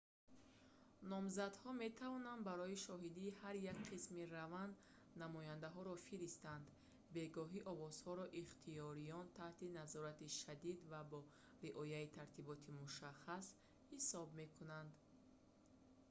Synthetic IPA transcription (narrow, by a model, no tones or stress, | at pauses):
nɔmzad̪hɔme̞t̪ʰavɔnand̪baɾɔiʃɔɦid̪iːhaɾjakqʰismiɾavand̪ | namɔjand̪aɦɔɾɔfiɾist̪and̪ | be̞ɡɔɦiʔɔvɔz̥hɔɾɔʔiχt̪ʰijɔɾijɔnt̪ʰaht̪inazɔɾat̪iʃad̪id̪vabɔ | ɾiʔɔjait̪ʰaɾt̪ʰibɔt̪ʰimuʃaχas | hisɔbme̞kʰunand̪